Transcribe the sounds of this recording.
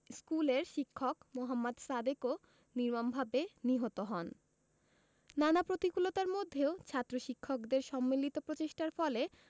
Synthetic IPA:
skuleɾʃikʰːokmoɦamːad̪sad̪eko | niɾmanbʱabeniɦot̪oɦɔn | nanapɾot̪ikulot̪aɾmod̪ʱːeot͡ɕʰat̪ːɾoʃikʰːokd̪eɾʃɔmːilit̪opɾot͡ɕeʃʈaɾfɔle

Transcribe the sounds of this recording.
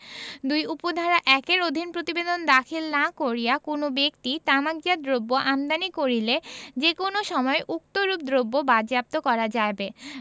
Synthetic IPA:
d̪ujupod̪ʱaɾaʔɛkeɾod̪ʱinpɾot̪ibed̪ond̪akʰilnakoɾijakonobekt̪it̪amaɡ̚d͡ʑad̪ɾobːoʔamd̪anikoɾiled͡ʑekonoʃɔmɔeʔuk̚t̪oɾub̚d̪ɾobːobad͡ʑap̚t̪okɔɾad͡ʑaebe

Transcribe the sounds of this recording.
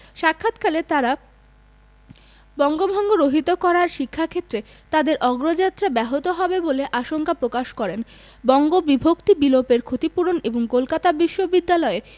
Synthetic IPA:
ʃakʰːat̪kʰalet̪aɾa | bɔŋɡobʱɔŋɡoɾoɦit̪okɔɾaɾʃikʰːakʰet̪ːɾe | t̪ad̪eɾʔɔɡɾod͡ʑat̪ːɾabɛɦot̪oɦɔbeboleʔaʃoŋkapɾokaʃkɔɾen | bɔŋɡobibʱokt̪ibilopeɾkʰot̪ipuɾoneboŋkolkat̪abiʃːobid̪ːalɔe

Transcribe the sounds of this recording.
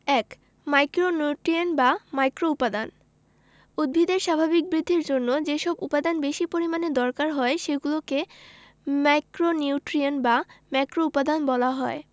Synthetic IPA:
ɛk | majkɾonuʈɾianbamajkɾoupad̪an | ud̪̚bʱid̪eɾʃabʱabik̚bɾid̪ʱːiɾd͡ʑonːod͡ʑeʃɔbupad̪anbeʃipoɾimaned̪ɔɾkaɾɦɔeʃeɡuloke | majkɾoniuʈɾianbamakɾoupad̪anbɔlaɦɔe

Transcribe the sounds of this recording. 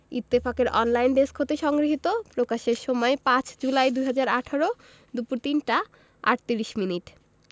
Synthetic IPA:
it̪ːefakeɾʔɔnlajnɖeskʰot̪eʃɔŋɡɾiɦit̪opɾokaʃeɾʃɔmɔepãt͡ɕd͡ʑulajd̪uɦad͡ʑaɾaʈʰaɾo | d̪upuɾt̪inʈa | a̰ʈ̚t̪iɾiʃminiʈ

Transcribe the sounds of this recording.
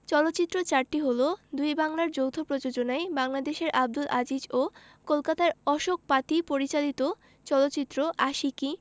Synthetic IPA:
t͡ɕɔlot̪ːɕit̪ːɾot͡ɕaɾʈiɦolod̪ujbaŋlaɾd͡ʑowt̪ʰopɾod͡ʑod͡ʑonaebaŋlad̪eʃeɾʔab̚d̪ulad͡ʑid͡ʑo | kolkat̪aɾɔʃok̚pat̪ipoɾit͡ɕalit̪o | t͡ɕɔlot̪ːɕit̪ːɾoʔaʃiki

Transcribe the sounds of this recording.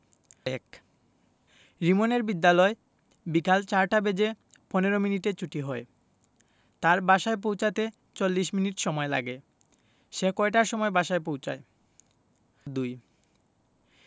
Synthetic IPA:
ɛ̰k | ɾimoneɾbid̪ːalɔe | bikalt͡ɕaɾʈabed͡ʑe | pɔneɾominiʈet͡ɕuʈiɦɔe | t̪aɾbaʃaep̬owt͡ɕat̪e | t͡ɕolːiʃminiʈʃɔmɔela̰ɡe | ʃekɔeʈaɾʃɔmɔebaʃaep̬owt͡ɕa̰e | d̪uj

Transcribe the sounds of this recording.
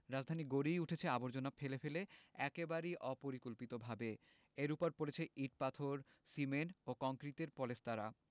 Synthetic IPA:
ɾad͡ʑd̪ʱaniɡoɾijuʈʰet͡ɕʰeaboɾd͡ʑonafʰelefeleɛkebaɾiʔɔpoɾikolpit̪obʱabe | eɾupoɾpoɾet͡ɕʰeʔiʈ̚pat̪ʰoɾ | simenokɔŋkɾit̪eɾpɔlestaɾa

